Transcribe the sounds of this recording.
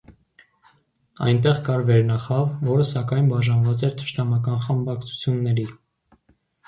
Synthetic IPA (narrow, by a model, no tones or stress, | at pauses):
ɑ̰jnt̪ɛʁkɑɾvɛɾnɑχɑvːɔɾəsɑkɑjnbɑʒɑnvɑt͡sɛɾt̪ʰə̥ʃt̪ɑmɑkɑnχəmbɑkt͡sʰu̥t͡sʰjunːɛɾi